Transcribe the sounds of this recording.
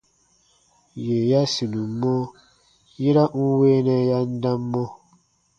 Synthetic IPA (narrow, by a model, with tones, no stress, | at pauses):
je˨ja˦si˨nũ˨mːɔ˦ | ji˦ɾa˦ŋu˦weː˦nɛ˧ja˦n˦dã˦mːɔ̃˦